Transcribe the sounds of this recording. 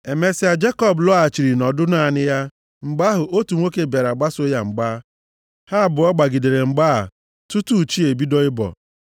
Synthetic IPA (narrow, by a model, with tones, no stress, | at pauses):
e˨me˦sɪ˦a˨d͡ʒe˦kɔ˦blɔ˦a˨t͡ʃi˨ɾi˨nɔ˨dʊ˦na˦˨nɪ˦ja˦ | ŋ͡m̩˨ɡ͡ba˦ɦʊ˨ʔo˦tu˨ŋʷ˦o˦ke˦˨be˨ɾa˨ɡ͡ba˦so˦ja˨ŋ͡m̩˨ɡ͡ba˦ | ha˦˨bʊ˨ɔ˦ɡ͡ba˨ɡi˨de˨ɾe˨ŋ͡m̩˨ɡ͡ba˦a˨ | tu˦tu˦˨t͡ʃi˦e˨bi˦dɔ˦ɪ˦bɔ̰˨